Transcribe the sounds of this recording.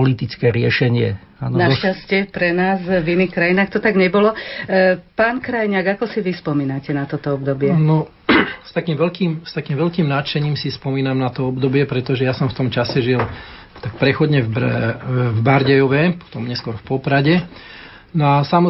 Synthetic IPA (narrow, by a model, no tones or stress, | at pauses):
ɔlit̪it͡skɛːɾɪɛʃɛɲɪɛaːnɔnaʃascɛpɾɛnaːzvinixkɾajinaːxt̪ɔt̪aɡɲɛbɔlɔ | paːnkɾajɲaːɡakɔsiʋispɔmiːnacɛnat̪ɔt̪ɔɔbd̪ɔbɪɛnɔ | st̪akiːmʋɛlkiːmst̪akiːmʋɛlkiːmnat͡ʃɛɲiːmsispɔmiːnamnat̪ɔɔbd̪ɔbɪɛpɾɛt̪ɔʒɛjasɔmft̪ɔmt͡ʃasɛʒil | t̪ak̚pɾɛxɔd̪ɲɛb | vbaɾɟɛjɔʋɛpɔ̥t̪ɔmɲɛskʊɔɾfpɔpɾaɟɛ | nɔasamɔ